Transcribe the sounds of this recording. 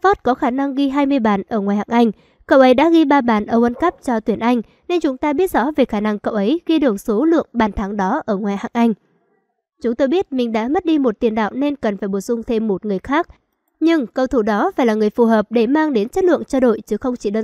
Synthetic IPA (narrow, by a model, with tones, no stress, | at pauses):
fɔ˦˥t̚kɔ˨˦xaː˧˩na˧ŋɣi˧ɦaː˧jmɨ˧əjɓaː˨˩nʔəː˧˩ŋwa˨˩jha̰ː˧˨ŋʔa˧jŋ̟ | kə̰˧˨wʔə˨˦jɗa̰ː˧˥ɣi˧ɓaː˧ɓaː˨˩nʔəː˧˩ʔə˧nkə˦˥p̚t͡ɕɔ˧t̪wi˧˩ənʔa˧jŋ̟ | ne˧nt͡ɕʊ˨˦ŋ͡mt̪aː˧ɓi˦˥ət̚zɔ̰˧˥ve˨˩xaː˧˩na˧ŋkə̰˧˨wʔə˨˦jɣi˧ɗɨ˨˩əŋso˨˦lɨ̰˧˨əŋɓaː˨˩nt̪ʰaː˨˦ŋɗɔ˨˦ʔəː˧˩ŋwaː˨˩jha̰ː˧˨ŋʔa˧jŋ̟ | t͡ɕʊ˨˦ŋ͡mt̪o˧jɓi˦˥ət̚mï˨˩ŋ̟ɗa̰ː˧˥mə˦˥t̚ɗi˧mo˨˩t̚t̪i˨˩ənɗa̰ː˧˨wne˧nkə˨˩nfaː˧˩jɓo˨˩sʊ˧ŋ͡mt̪ʰe˧mːo˨˩t̚ŋɨ˨˩əjxaː˦˥k̚ | ɲɨ˧ŋkə˧wt̪ʰu˧˩ɗɔ˨˦faː˧˩jlaː˨˩ŋɨ˨˩əjfu˨˩ɦəː˨˩p̚ɗe˧˩maː˧ŋɗe˨˦nt͡ɕə˦˥t̚lɨ̰˧˨əŋt͡ɕaː˧ɗo̰˧˨jt͡ɕɨ˨˦xə˧wŋ͡mt͡ɕi˧˩ɗə˧˩